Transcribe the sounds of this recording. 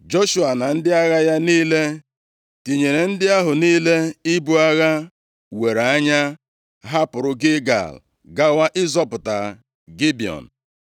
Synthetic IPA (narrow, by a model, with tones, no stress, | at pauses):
d͡ʒo˦ʃu˨a˨na˨n̩˦dɪ˦a˦ɣa˦ja˦niː˦le˦ | ti˨ɲe˨ɾe˨n̩˦dɪ˦a˦ɦʊ˨niː˦le˦i˦bu˦a˦ɣa˦ | we˨ɾa˦ɲa˦ | ɦa˦pʊ˨ɾʊ˦ɡɪ˦ɡa̰˨l | ɡa˦wa˦ʔɪ˦zɔ˦pʊ˨ta˨ | ɡi˦bi˨ɔ̰˨n̩˨